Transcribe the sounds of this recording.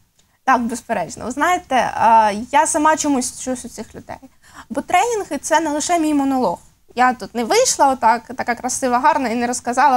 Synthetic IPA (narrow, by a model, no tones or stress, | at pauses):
t̪ɑkbespeɾɛd͡ʒnɔ̰ʋɪznɑjet̪ɛjasɐmɑt͡ʃɔmusʲt͡ʃusʲʊt͡sʲɪxlʲʊd̪ɛ̰j | bɔt̪ɾɛnʲinɣɪt̪sɛnɛlˠɪʃɛmʲijmɔnɔlˠɔx | jat̪ut̪nɛʋɪjʃlˠɐɔt̪ːɑkt̪ɐkɑkɾɐsɪʋɐɦɑɾnɐinɛɾɔskɐzɑlˠɐ